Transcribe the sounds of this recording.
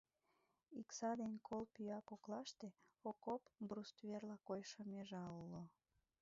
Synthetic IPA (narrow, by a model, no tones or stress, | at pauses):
iksɑd̪enʲkʰolpyɑkoklɑʃt̪eokopbrust̪βerlɑkojʃomeʒɑulo